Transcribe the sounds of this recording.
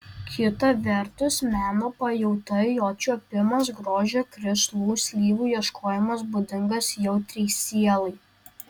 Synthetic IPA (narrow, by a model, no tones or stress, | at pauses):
kʲʰɪt̪ɐʋʲɛɾt̪ʊsmʲæːnoːpɐjɛʊt̪ɐɪjoːt͡ʃʲuɐpʲɪmɐsɡɾoːʒʲeːkɾʲɪslˠuːsʲlʲiːʋuːjiɛʃkʰoːjɛmɐs̬bʊd̪ʲɪŋɡɐsjɛʊt̪ʲɾʲɛɪsʲiɛlˠɐɪ